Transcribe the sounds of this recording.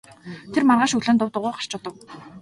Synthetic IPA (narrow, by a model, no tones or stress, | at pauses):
t̪ʰermarʁaːʃɵɮŏːnt̪ʊwt̪ʊʁʊːɢar̥t͡ɕʊt̪ə̆w